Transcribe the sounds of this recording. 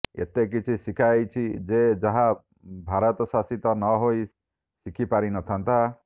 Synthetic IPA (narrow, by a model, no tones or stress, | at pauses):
ḛt̪ek̬it͡ʃʰisikʰajt͡ʃʰid͡ʒed͡ʒaɦa | bʱaɾɔt̪ɔsasit̪ɔnɔɦoj | sikʰipaɾinɔt̪ʰant̪a